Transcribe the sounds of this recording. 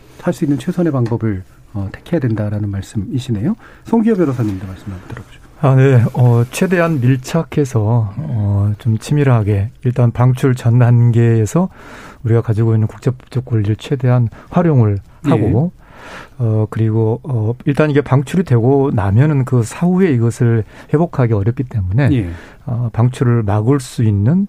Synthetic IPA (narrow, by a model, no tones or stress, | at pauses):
saɭs͈uinːɯnt͡ɕʰwe̞sʰʌne̞paŋbʌbɯɭ | ʌte̥kʰejadwendaɾanɯnmaɭs͈ɯmiɕʰinejo | sʰoŋɡiʌbjʌɾʌs̬ʰʌnɯmidamaɭs͈ɯmɯɭaɡotɯɾʌbod͡ʑo̥ | ane̞ʌt͡ɕʰwe̞de̞ɦanmiɭt͡ɕʰakʰe̞sʰʌʌt͡ɕomt͡ɕʰimiɾɯɦaɡe̞iɭt͈anpaŋt͡ɕʰuɭt͡ɕʌnːanɡe̞ːsʰʌuɾiɡakad͡ʑiɡoinːɯnkuk̚t͡ɕ͈ep̚t͡ɕ͈ʌk͈̚ʌʎːiɾɯɭt͡ɕʰe̞de̞ɦanɸwaɾjoŋɯɭ | haɡo | ʌkɯɾiɡoʌiɭt͈aniɡe̞paŋt͡ɕʰuɾidwe̞ɡonamjʌnɯnkɯsʰaue̞iɡʌsʰɯɭhe̞bokʰaɡe̞ʌɾjʌp̚k͈it͈e̞mune̞ | ʌpaŋt͡ɕʰuɾɯɭmaɡɯɭs͈uinːɯn